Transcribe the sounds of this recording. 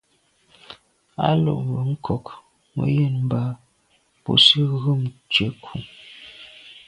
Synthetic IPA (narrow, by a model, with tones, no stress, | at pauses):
a̰˦lo̰˦˨ʔm̩˨bə˨˦ŋ̩˦kʰɔ˨k | mə̰˨˦je˦˨nm˦ba˦˨ | po̰˨si˦ɣə˦˨mt͡ʃe˨˦kʰu˨